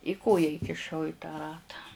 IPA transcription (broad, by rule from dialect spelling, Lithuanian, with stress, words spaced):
ɪ ˈkoːjɛ iːkʲɪˈʃɐʊ ɪ tɑː ˈrɑːtɑː